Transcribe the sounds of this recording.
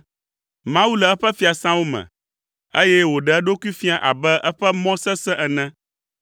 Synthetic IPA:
mã˦wu˦lɛ˨ɛ˦ɸɛ˦fi˨a˨sã˦wo˦mɛ̰̃˨ | e˦jɛ˦wo˨ɖɛ˨ɛ˦ɖo˦ku˦i˦fi˦a˨ʔa̰˨bɛ˦ʔɛ˦ɸɛ˦mɔ̃˦sɛ˦sɛ̃˦ʔɛ˨nɛ̃˦

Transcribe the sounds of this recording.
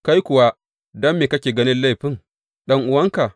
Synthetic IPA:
ka˦jkʷʊ˨wa˦ | dɐ˦mːeː˨kɐ˦kʲeː˨ɡɐ˦nɪ˦nla˦˨jɸɪ˦ŋ | ɗɐ˦ŋʔʊ˨wɐ˦ŋka˨

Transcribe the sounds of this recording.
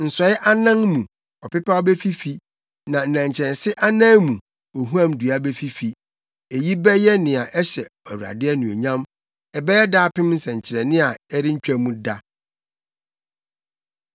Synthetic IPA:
n̩˨sɔ˨˦ɪ˦ʔa˦nã˦ŋmũ˨ | ɔ˨pɪ˦pʰa˦ɔ˦bɛ˦fi˦fi˦ | nã˨n̩˨nã˨ɲ˨t͡ɕʰɾɛ̃˨nsɪ˦ʔa˦nãː˦mũ˨ | o˨ɦu˦ã˦mdu˨a˦bɛ˦fi˦fi˨ | e˨ji˦bɛ˦jɛ˦nɪ̃˨a˨ʔɛ˦ɕɛ˨ɛ˨wu˨ɾa̰˨dɪ˦ɛ˦nʊ̃˨o̰˨ɲã˦m | ɛ˨bɛ˦jɛ˦daː˦pɪ̃˦mn̩˦sɛ̃˨ɲ˨t͡ɕʰɪ˨ɾɛ˨nɪ̃˦a˨ɛ˦ɾɪ˦ɲ̩˦t͡ɕᶣa˦mũ˦da˦

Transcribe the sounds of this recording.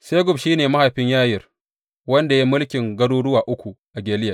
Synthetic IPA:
se˦ɡʷʊ˨bʃiː˦neː˨mɐ˦ha˨ɸɪ˦ɲjaː˦jɪ˨r | wɐ˦nda˨ji˦mʊ˦lkʲɪ˨ŋɡɐ˦ɽuː˦ɽʊ˦waː˨ʔʊ˦kʷu˨ | ʔa˨ɡʲeː˨lɪ˦ja˨

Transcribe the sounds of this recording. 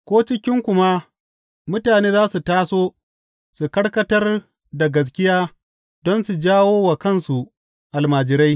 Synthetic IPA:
kʷoː˦t͡ʃɪ˦kʲɪ˦ŋkʷʊ˨ma˦ | mʊ˦taː˨neː˦zaː˦su˨taː˦soː˦ | su˨kɐ˦ɽkɐ˦tɐ˦r | da˨ɡɐ˨s̬kʲɪ˦jaː˦ | dɔ˦nsu˨d͡ʒaː˦woː˦wa˨kɐ˦nsu˨ | ʔa˨lmaː˨d͡ʒɪ˨ɾa˦j

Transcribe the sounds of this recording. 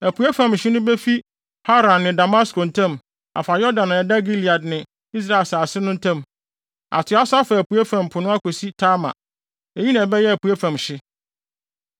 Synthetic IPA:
æ˨pʰu˨æ˦fã˨mɕɪ˦nʊ̃˦be˦fi˦ | ha˦ɾã˨nːɪ̃˨da˨ma˦sko˨n̩˨tʰã˦˨m | a̰˨fa˨jɔ˦dã˨nã˨ɛ˨da˦ɡi˦li˨a˨dnɪ̃˨ | i˦s̬ɾa˦˨ɪ˨saː˨sɪ˦nʊ̃˦n̩˦tʰã˦m | a̰˨tʰɪ˨˦a˦sʊ˦a˦fa˨æ˨pu˨æ˦fã˨m˨pʰʊ˨nʊ̃˦a˦ko˨si˦tʰaː˦mã̰˨ | e˨ɲi˦nã˨bɛ˦jɛ˦æ˨pu˨æ˦fã˨mɕɪ˦

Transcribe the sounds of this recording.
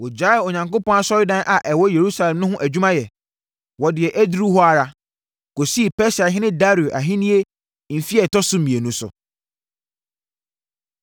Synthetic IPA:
wɔ˨d͡ʑa˦˨ɔ˨ɲã˨ŋko˦pɔ̃˦na˦sɔ˦jʊ˦dã˦nʔa˨ʔɛ˨wɔ˦je˨ɾu˦sa˦lɛ̃˨mnʊ̃˦ɦʊ̃˦ʔæ˨d͡ʑᶣu˦mã˦jɛ˨ | wɔ˨dɪ˨ɛ˨ʔe˦dɾu˦ɦɔ˦a˨ɾa˨ | ko˨si˦˨pɛ˦sa˨ɦɪ̃˦nɪ̃˦da˦ɾi˨u˨ʔa˨ɦɪ̃˦nĩ˦e˦ | m̩˨fi˦ɛ˨tɔ˦sʊ˦˨mĩ˨e˨nũ˦sʊ̰˨

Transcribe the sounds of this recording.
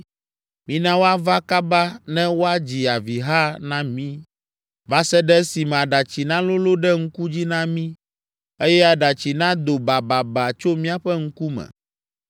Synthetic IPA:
mĩ˦nã˦wo˦a˦va˦ka˦ba˦nɛ̃˦wo˦a˦d͡ʑi˨a˨vi˨ɦa˦nã˦mĩ˦ | va˦sɛ˦ɖɛ˦si˨mɛ̃˨a˨ɖa˨t͡ɕi˨nã˦lo˦lo˦ɖɛ˦ŋ̩˦ku˦d͡ʑi˦nã˦mĩ˦ | e˦jɛ˦a˨ɖa˨t͡ɕi˨nã˦d̪o˨ba˨ba˨ba˨t͡ʃo˦mĩ˦a˨ɸɛ˦ŋ̩˦ku˦mɛ̰̃˨

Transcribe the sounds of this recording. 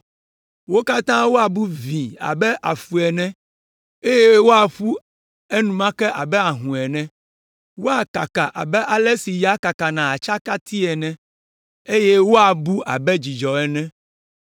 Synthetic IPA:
wo˦ka˦t̪ã˦wo˦a˨bu˦vĩ˨a̰˨bɛ˦ʔa˨fu˨ɛ˨nɛ̃˦ | e˦je˦wo˦a˨ɸu˦ | e˦nũ˨mã˦kɛ˦ʔa˨bɛ˦a˨ɦũ˨ɛ˨nɛ̃˦ | wo˦a˨ka˨ka˨ʔa̰˨bɛ˦ʔa˨lɛ˦si˨ja˦ka˨ka˨nã˨a˨t͡ʃa˦ka˦t̪ʰi˦ɛ˨nɛ̃˦ | e˦je˦wo˦a˨bu˦ʔa̰˨bɛ˦d͡ʑi˨d͡ʒɔ˨ɛ˨nɛ̃˦

